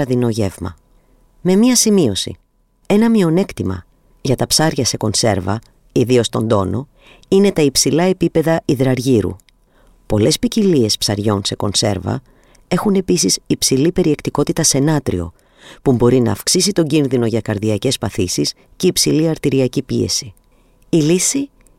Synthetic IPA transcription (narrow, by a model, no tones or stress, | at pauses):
ɐðino̞ʝe̞vmɐ̰ | me̞miɐsimio̞sḭ | e̞nɐmio̞ne̞kt̪imɐ̰ | ʝɐt̪ɐpsɐɾʝɐse̞ko̞nse̞̰ɾvɐ̰ | iðio̞st̪o̞̰nd̪o̞̰no̞ | ine̞t̪ɐipsilɐe̞pipe̞ðɐiðɾɐɾʝiɾṵ | po̞le̞spicilie̞spsɐɾʝo̞nse̞ko̞̰nse̞̰ɾvɐ̰ | e̞xune̞pisisipsilipe̞ɾie̞kt̪iko̞t̪it̪ɐse̞nɐt̪ɾḭo̞̰ | pumbo̞ɾinɐ̰ːfksisit̪o̞ɲɟinðino̞ʝɐkɐɾðiɐce̞spɐθisis | ce̞ipsiliɐɾt̪iɾiɐcipie̞̰si̥ | ilisi